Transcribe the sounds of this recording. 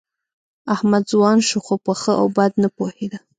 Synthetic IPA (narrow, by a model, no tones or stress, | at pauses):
ahmad̪zwɑnʃuxopəxəʔa̰wbad̪napohed̪a